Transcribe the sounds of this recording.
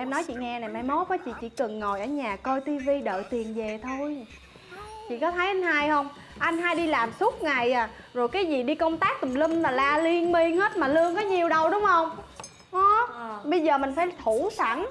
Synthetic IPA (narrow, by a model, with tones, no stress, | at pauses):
ʔɛ˧mnɔ˨˦jt͡ɕḭ˧˨ŋɛ˧na˨˩jma˧˩jmo˨˦kɔ˨˦t͡ɕḭ˧˨t͡ɕḭ˧˥kɨ˨˩ŋːo˨˩jʔəː˧˩ɲaː˨˩kɔ˧jt̪i˧vi˧ɗə̰ː˧˨t̪i˨˩ənve˨˩t̪ʰo˧j | t͡ɕḭ˧˨kɔ˨˦t̪ʰə˨˦jʔa˧jŋ̟haː˧jhə˧wŋ͡m | ʔa˧jŋ̟ɦaː˧jɗi˧laː˨˩msʊ˦˥k͡p̚ŋa˨˩jaː˨˩zo˨˩jkaː˨˦jzi˨˩ɗi˧kə˧wŋ͡mt̪aː˦˥k̚t̪ɨ˨˩mli˧ŋ̟laː˨˩laː˧li˧ənmi˧əŋhe˦˥t̚maː˨˩lɨ˧əŋkɔ˨˦ɲi˨˩əwɗə˧wɗʊ˨˦ŋ͡mhə˧wŋ͡m | ʔɔ˨˦ɓə˧jzəː˨˩mï˨˩ŋ̟faː˧˩jt̪ʰu˧˩˦sa˧˩ŋ